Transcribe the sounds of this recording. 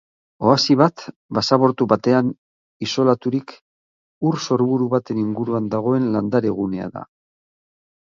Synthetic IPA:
o̞asiβat̪ | basaβo̞ɾt̪uβat̪e̞an | iso̞lat̪uɾik | uɾso̞ɾβuɾuβat̪e̞niŋɡuɾuand̪aɣ̞o̞e̞nland̪aɾe̞ɣ̞une̞a̰ða̰

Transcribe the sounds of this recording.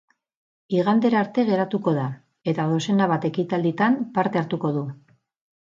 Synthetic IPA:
iɣ̞and̪e̞ɾaɾt̪e̞ɣe̞ɾat̪uko̞ð̞a | e̞t̪aðo̞se̞naβat̪e̞kit̪ald̪it̪ampaɾt̪e̞aɾt̪uko̞ðu

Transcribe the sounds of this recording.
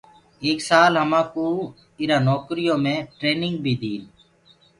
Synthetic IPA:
eːksaːlɦəmãːkuː | ɪɾãːnoːkɾɪjõːmẽːʈɾeːnɪ̃ŋɡ̚bʱiːd̪iːn

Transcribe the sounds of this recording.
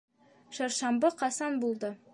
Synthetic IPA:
ʃɒɾʃɑmbɤqɑsɑnbulˠd̪ɤ

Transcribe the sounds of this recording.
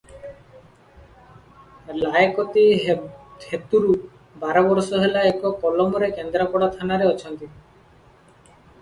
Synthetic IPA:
laekɔt̪i | het̪uɾu | baɾɔbɔɾsɔɦelaekɔkɔlɔmɔɾekend̪ɾapɔɽat̪ʰanaɾeɔt͡ʃʰɔnt̪i

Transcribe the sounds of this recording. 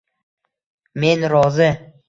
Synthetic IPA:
menɾɒzɪ

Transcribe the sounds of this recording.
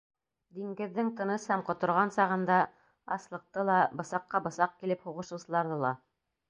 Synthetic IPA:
d̪iŋɡɘ̆ðːɘŋt̪ɤ̆nɤshæmqŏt̪ŏɾʁɑnsɑʁɤ̆nd̪ɑ | ɑslˠɤ̆q̚t̪ɤlˠɑbɤ̆sɑqːɑbɤ̆sɑq̚kilɘphuʁɤ̆ʃɤ̆wsɤ̆lˠɑɾðɤlˠɑ

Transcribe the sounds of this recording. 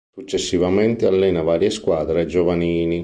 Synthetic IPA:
sut͡ʃːesːivament̪ealːɛːnavaːɾjeskwaːd̪ɾed͡ʒovaniːni

